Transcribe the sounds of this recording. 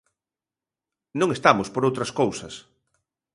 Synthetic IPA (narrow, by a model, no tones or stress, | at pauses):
nõŋest̪amʊspoɾowt̪ɾɐskowsɐs